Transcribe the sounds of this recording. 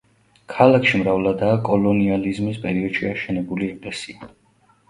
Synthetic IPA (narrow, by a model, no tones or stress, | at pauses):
kʰalˠakʰʃimɾavlˠad̪aːkʼɔlɔnializmispʼɛɾiɔd̪ʃiaʃɛnɛbuliɛkʼlɛsia